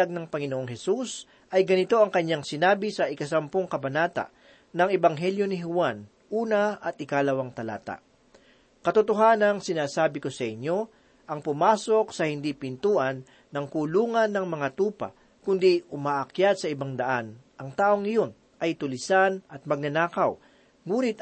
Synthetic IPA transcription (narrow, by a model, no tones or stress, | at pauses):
aɡ̚nɐŋpɐŋɪnoʔoŋɦɛsus | ʔɐjɡɐnɪt̪o̞ɐŋkɐɲːaŋsɪnaːbɪsɐʔɪkɐsɐmpoŋkɐbɐnaːt̪a̰ʔ | nɐŋɛbɐŋɦɛljo̞nɪɦʊwan | ʔuːnɐɐt̪̚ʔɪkalɐwaŋt̪ɐla̰ːt̪a̰ʔ | kɐt̪ʊt̪oɦaːnɐŋsɪnaːsaːbɪkosɐʔɪɲːo̞ | ʔɐŋpʊmaːso̞k̚sɐhɪnd̪ipɪnt̪uːʔɐnː | ɐŋkʊluːŋɐnːɐŋmɐŋat̪uːpɐ̰ | kʊnd̪iʔʊmaːʔɐkjad̪̚sɐʔɪbaŋd̪ɐʔan | ʔɐŋt̪aːʔoŋɪjo̞n | ʔɐjt̪ʊlɪsanɐt̪̚mɐɡ̚nɐnaːkɐw | ŋuːnɪt̪